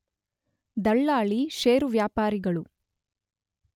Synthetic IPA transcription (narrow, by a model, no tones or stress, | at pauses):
d̪ɐɭːaːɭiʃeːɾuʋjaːpaːɾiɡɐɭu